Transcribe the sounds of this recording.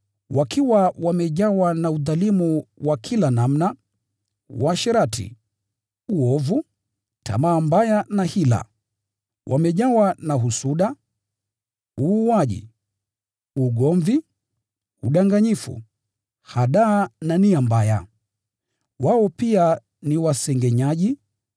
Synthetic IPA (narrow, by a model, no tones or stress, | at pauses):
wakʰiwawamɛʄawanauðalimuwakʰilanamna | waʃɛɾatʰḭ | uɔvu | tʰa̰maːmbajanahila̰ | wʔamɛʄawanaɦusuɗa | uːaʄḭ | uɡɔɱvi | uɗaŋɡaɲifṵ | haɗaːnaniambaja | waɔpia | niwasɛŋɡɛɲaʄi